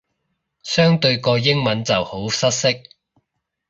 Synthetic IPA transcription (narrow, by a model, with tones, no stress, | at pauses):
sœː˥ŋt̪ɵ˧ɥkɔː˧jɪ˥ŋmɐ˨˥nt͡sɐ˨who˨˥wsɐ˥t̚sɪ˥k̚